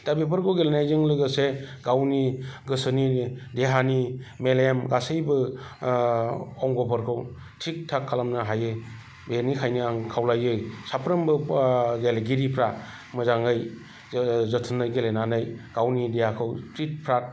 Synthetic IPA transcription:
d̥abipʰɯɾkʰɯwɡelenajzɯŋlɯɡɯseɡawniɡɯsɯnideɦanimelemɡasɯjbɯ | ɔŋɡɔpʰɔɾkʰɯw | tʰik̚tʰakʰːalamnɯɦajɯ | benikʰajniaŋkʰawlajɯjsapʰɾɯmbɯɡelɡiɾipʰɾa | mɯzaŋɯj | zɔtʰɯnɯjɡelenanɯjɡ̥awnidehakʰɯwstɾit̚pʰɾat̚

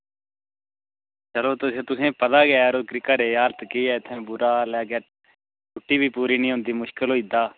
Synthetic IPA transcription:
t͡ʃəloːt̪ʊseːt̪ʊsẽːpət̪aːɡɪaːɾoːkɾikəɾeːaːɾt̪kiːɛːɪt̪ʰːẽːbʊɾaːlaːɡɛː | t͡ʃʊʈːiːbiːpuːɾiːnĩːɦʊ̃nd̪iːmʊʃkəlɦoːiːd̪aː

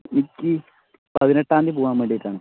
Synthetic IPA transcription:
nikːi | pɐðineʈːaːnd̪ipuːʋaːmʋeːɳɖijiʈːaːɳɨ

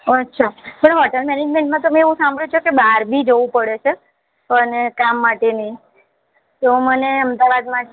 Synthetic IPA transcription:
ətːʃʰapəɳɦɔʈəlmɛned͡ʒmẽɳʈmãt̪̬əmẽeʋũsãmbʱɽjũt͡ʃʰokebaɾbʱid͡ʒoʋũpəɽet͡ʃʰe | ənekamːaʈeni | t̪oməneəmd̪aʋad̪mã

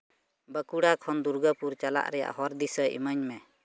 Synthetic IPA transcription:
bəkuɽakʰɔnd̪uɾɡəpuɾt͡ʃala̰ʔɾɛja̰ʔhɔɾd̪isəʔḭməɲmɛ

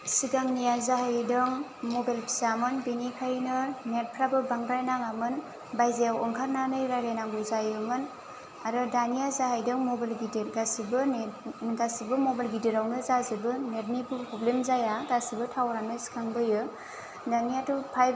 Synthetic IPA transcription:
siɡaŋnijazaɦajdɯŋmobajlpʰi̥samɯnbinikʰajnɯnet̚pʰɾabɯbaŋɾajnaŋamɯn | bajzewɔŋkʰaɾnanɯjɾajɾajnaŋɡuzajɯmɯn | aɾɯdanijazaɦajdɯŋmobalɡidiɡasibɯ | ɡasibɯmobajlɡidiɾawnɯzazibɯneɾ̚nibɯpʰɔblemzajaɡasibɯtʰawɾanɯsi̥kʰaŋbɯjɯ | danijatupʰaj

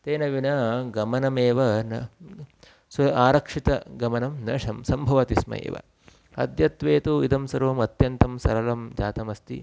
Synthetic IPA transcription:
t̪eːnɐʋinɐɡɐmɐnɐmeːʋɐnɐ | sɐaːɾɐkʂit̪ɐɡɐmɐnɐmnɐʂɐmsɐmbʱɐʋɐt̪ismɐ̰jḛːʋɐ̰ | ɐ̰d̪jɐt̪ʋeːt̪uid̪ɐmsɐɾuʋɐmɐt̪jɐnt̪ɐmsɐ̰ɾɐlɐmd͡ʒaːt̪ɐmɐst̪ḭ

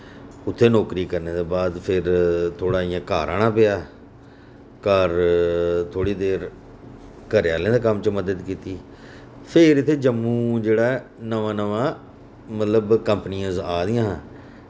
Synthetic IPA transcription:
ʊt̪ʰːeːnɔːkɾiːkəɾneːd̪eːbaːd̪pʰɪɾt̪ʰoːɽaːiːãːkaːɾaːɳãːpɪjaː | kəɾt̪ʰoːɽiːd̪eːɾ | kəɾjaːlẽːd̪eːkəmt͡ʃməd̪əd̪kiːt̪iː | pʰɪɾɪt̪ʰːeːd͡ʒəmːũːd͡ʒeːɽaːnəʋãːnəʋãː | mət̪ləbkəmpnijãːzaːd̪ɪjãːɦː

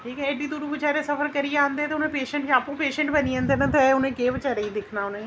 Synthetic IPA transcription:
ʈʰiːkɛːeɖiːd̪uːɾuːʋət͡ʃaːɾeːsəfʰəɾkəɾijeãːnd̪eːt̪eːʊnẽːpeːʃə̃ɳʈːaːpũːpeːʃə̃ɳʈbəniːə̃ːnd̪eːnãːt̪eːʊnẽːkeːʋət͡ʃaːɾeːiːd̪ekʰnaːʊnẽː

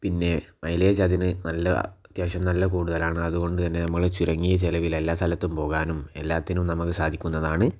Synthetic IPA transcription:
pinːe̞mɐjleːd͡ʑɐðinɨnɐlːɐ̰ | t̪jaːʂɐmnɐlːɐkuːɽuðɐlaːɳɨɐðuɣo̞ɳɖɨt̪ɐnːe̞nɐmːɐɭet͡ɕuɾɐŋːijɐt͡ɕelɐʋile̞lːaːst̪ʰɐlɐt̪ːumpo̞ːɣaːnume̞lːaːt̪ːinumnɐmɐkːɨsaːd̪ʱikʲːunːɐðaːɳɨ

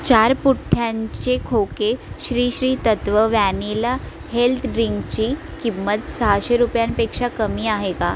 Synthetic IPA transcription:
t͡ɕaɾpuʈʰːjaɲt͡ɕekʰowkeɕɾiːɕɾiːt̪ət̪ʋəʋænila | helt̪ʰɖɾiŋɡt͡ɕiː | kimːət̪səɦaɕeɾupjanpekʂakəmiːaɦeka̰

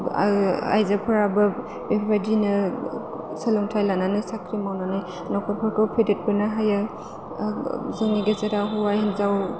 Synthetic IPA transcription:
a̰jzapʰɯɾabɯ | bepadinɯ | salɔŋtʰajlananɯsakʰɾimawnanaj | nɔkʰɔpʰɯɾkʰɯwpʰedet̚bɯnaɦaja | zɯŋniɡezeɾaɦuwajhinzaw

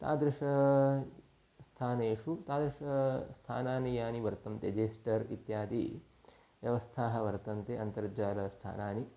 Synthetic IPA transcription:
t̪a̰ːd̪ɾɪʂɐ | st̪ʰaːneːʂut̪aːd̪ɾɪʂɐst̪ʰa̰ːnaːnijaːniʋɐɾt̪ɐmt̪ed͡ʒeːsʈɐɾḭt̪jaːd̪i | ʋjɐʋɐst̪ʰaːɦɐ̆ʋɐɾt̪ɐnt̪eʔɐnt̪ɐɾd͡ʒaːlɐst̪ʰa̰ːnaːni

